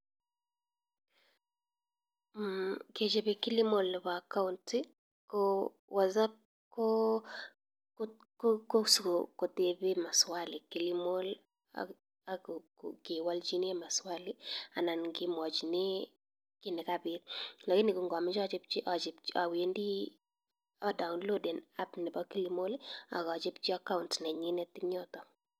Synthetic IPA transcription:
ke˨t͡ʃe˨βe˨kɪ˦li˦mo˨lβa˨ka˦ʊntɪ | ko | wa˨za˦p̚ | kɔ˦ | kko˦su˨ko˨ko˨te˨βe˦ma˨swali˨ki˨li˦mo˦l | a̰ | a˨kkke˨wa˦ld͡ʒi˦nɪ˦a˦ma˨swa˦lɪ˦a˨na˨nɡɪ˦mɔ˨d͡ʒnɪ˦ | kɪ˦nɪ˨kabɪ˦tla˨kɪ˦nɪ˨ku˨ŋɡɔ˨mɪ˦t͡ʃɔ˦d͡ʒɪ˦p̚t͡ʃi˦ʔa˨d͡ʒɪ˨pa̰˨we˨˦ndi˦ | ɔ˦da˨ʊnlo˦dɛ˨na˦pnɪ˨bɔ˦ki˦li˦mo˦la̰˨kɔ˨d͡ʒɪ˦pt͡ʃi˦a˦ka˦ʊntnɛ˨ɲɪ˦nɛ˦tɪ˦ɲɔ˦tɔ˨

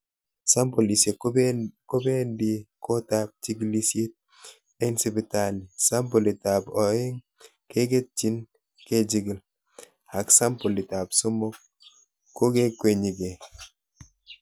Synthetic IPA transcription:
sa˦mpɔ˨li˨se˨ko˦be˦ndi˦kʰɔ˦ta˦p̚t͡ʃi˦ɡli˦sje˦t̚ | ɛ˦nsi˦˨bi˨ta˨li˨sa˦mpɔ˨li˨ta˨bɔ˨ɛ˦ŋ | ke˦ke˦t̚t͡ʃi˦n | ke˦d͡ʒi˦ɡi˨l | a˨ksa˦mpɔ˨li˨ta˨psɔ˦mɔ˦k | kːo˦ke˦kwe˨ɲi˨ɡe˨

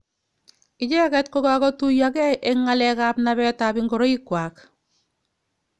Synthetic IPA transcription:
ɪt͡ʃɛ˦kɛ˦t̚koka˦kɔ˦tu˦jakɛ˦ʔeŋːalɛka˦pnaβɛ˦tabɪŋɡo˨ɾɔ˦i˦kwaː˨k

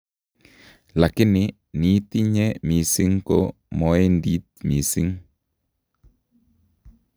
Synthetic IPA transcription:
la˨kɪ˦nɪ | niː˦t̪i˦ɲe˦miː˨si˦ŋko̰˦ | mɔ˦e˦ndiː˦t̪mi˨si˦ŋ

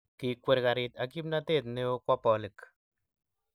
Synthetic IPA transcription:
ki˨kwe˨ɾka˨ɾɪt̪aki˦pna˦te˦˨t̪ne˦o˦kwa˦pɔ˨lɨ˨k

